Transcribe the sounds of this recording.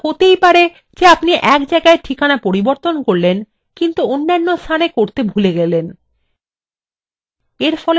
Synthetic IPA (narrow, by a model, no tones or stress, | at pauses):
hot̪ejpaɾe | d͡ʑeapniʔɛkd͡ʑaeɡaeʈʰikanapoɾiboɾt̪onkoɾlen | kint̪uonːanːost̪ʰanekoɾt̪ebʱuleɡɛlen | eɾfɔle